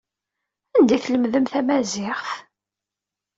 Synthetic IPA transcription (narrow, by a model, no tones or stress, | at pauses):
ænd̪iθləmðəmθæmæzɪχθ